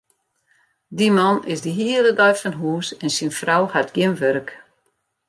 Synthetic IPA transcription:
dimɔnɪsdiɦiədədɔjfɔnɦuːsɛnsinfrawhatɡjɪmʋøɾək

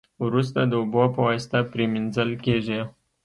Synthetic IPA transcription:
wɾus̬t̪ad̪əʊbopəwɑjst̪apɾeminzəlkeʒe

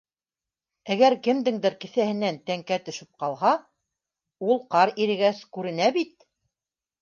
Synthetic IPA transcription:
æɡæɾkɘ̆md̪ɘŋd̪ɘɾkɘ̆θæhɘ̆nænt̪æŋkæt̪ɵ̆ʃɘp̚qɑlˠɦɑ | ulˠqɑɾiɾɘ̆ɡæskʉɾɘ̆næbit̪̚

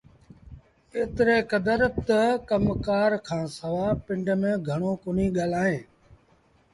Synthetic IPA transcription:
eːt̪ɾeːkəd̪əɾt̪əkəmkaːɾkʰãːsəʋaːpɪ̃ɳɖmẽːɡʱəɳ̃oːkʊniːɠaːl̤aːɦẽː

